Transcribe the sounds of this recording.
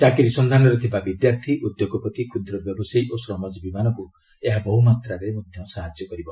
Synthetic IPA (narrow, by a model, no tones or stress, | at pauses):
t͡ʃakiɾisɔnd̪anɔɾɔt̪ʰibabid̪jaɾt̪ʰiʔud̪joɡɔpɔt̪ikʰud̪ɾɔbjɔbɔsajosɾɔmad͡ʒɔbimanɔku | eɦabɔɦumat̪ɾaɾemɔd̪ʱjɔmsaɦad͡ʒjɔkɔɾibɔ